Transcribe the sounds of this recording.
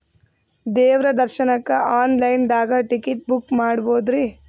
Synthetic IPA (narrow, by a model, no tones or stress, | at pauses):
d̪ɛːʋɾɐd̪ɐɾʃɐnɐkːɐʔaːnlɐjnd̪aːɡɐʈikiʈ̚bukmaːɽboːd̪ɾi